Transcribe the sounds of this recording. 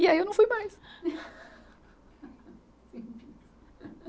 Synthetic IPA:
iɛewnɐ̃w̃fujmajs | sepi

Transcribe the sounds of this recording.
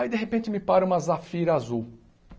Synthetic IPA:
aid̪eɦepẽnt͡ʃɪmɪpaɾũmɐzafiɾɐazuw

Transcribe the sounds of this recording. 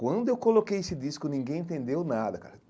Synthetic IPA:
kwɐ̃nd̪ʊewwkolokejesɪd̪iskʊnĩŋɡẽj̃ẽnt̪ẽnd̪ewnad̪ɐka̰ɾ

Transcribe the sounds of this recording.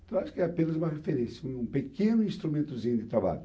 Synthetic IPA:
t̪ɐ̃w̃aʃʊ̥kɪɛapẽnɐzũmɐʁefeɾẽsũpekẽnʊĩst̪ɾumẽnt̪uzĩɲʊd̪ɪt̪ɾaβa̰ʎʊ

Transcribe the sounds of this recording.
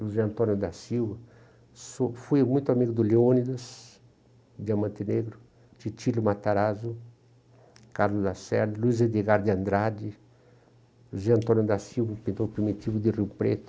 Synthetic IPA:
luzeɐ̃nt̪onjʊd̪asiwvɐ | sofujmũjt̪ʊamiɡʊd̪ʊleonid̪us | d̪ɪamɐ̃nt̪eneɡɾʊ | t͡ʃit͡ʃilumat̪aɾazu | kaɾlʊzd̪asɛɾd̪ɐluized̪eɡaɾd̪iɐ̃nd̪ɾad͡ʒi | uzeɐ̃nt̪onjʊd̪asiwvɐpĩnt̪opɾimit̪ivʊd̪ɪriwpɾḛt̪ʊ̥

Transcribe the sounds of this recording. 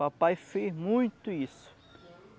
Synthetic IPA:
apajfezmũj̃t̪ʊisʊ̥

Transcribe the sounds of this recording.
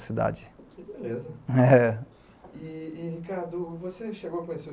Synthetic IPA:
sid̪a̰d͡ʒɪkɪbelezɐɛ | iːhikaɾd̪ʊvoseʃeɡowɐkõɲese

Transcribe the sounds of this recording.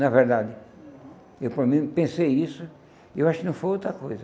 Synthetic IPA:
nɐveɾd̪ad̪ɪ | ewpɾɐmĩpẽsejisʊ | ewaʃʊkɪnɐ̃w̃fojowt̪ɾɐkojzɐ

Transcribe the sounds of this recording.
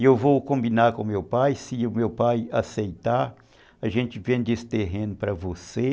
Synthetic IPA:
ewvowkõmbinaɾkõmewpajsɪʊmewpajasejt̪aɾ | ɐʒẽnt͡ʃɪvẽd̪esɪ̥t̪eɦẽnʊpɾɐvose

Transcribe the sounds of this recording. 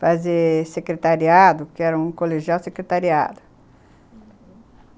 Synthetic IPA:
fazesekɾet̪aɾiad̪ʊkɪɛɾɐũkoleʒiawsekɾet̪aɾia̰d̪ʊ

